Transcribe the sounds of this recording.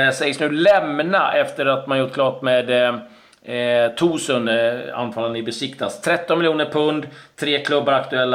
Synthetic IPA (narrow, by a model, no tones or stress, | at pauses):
sɛjsnʉ̟ːlɛmnaʔɛft̪əɾat̪manjʊːʈkʰlɑːʈmeːd̪ | t̪ʰuːsəna̰nːfaːland̪ɪbɛsɪkt̪ʰast̪ʰɾɛt̪ːɔnmɪljuːnəɾpʰɵnd̪t̪ʰɾeːkʰlɵbːaɾakt̪ɵɛlːa